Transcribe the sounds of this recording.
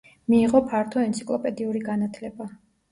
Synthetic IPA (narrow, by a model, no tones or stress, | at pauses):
miːʁɔpʰaɾt̪ʰɔɛnt̪si̥kʼlˠɔpʼɛd̪iuɾiɡanat̪ʰlɛba